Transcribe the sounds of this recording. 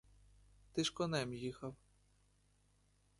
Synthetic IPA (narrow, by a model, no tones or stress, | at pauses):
t̪ɪʃkɔnɛmjixɐw